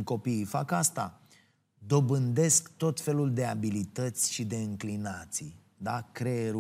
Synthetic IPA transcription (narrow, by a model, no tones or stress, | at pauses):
ko̞pifakast̪a | d̪o̞bɨnd̪e̞skt̪o̞t̪fe̞luld̪e̞abilit̪ət̪sʲʃid̪e̞ɨŋklinat̪si | d̪akɾeɾ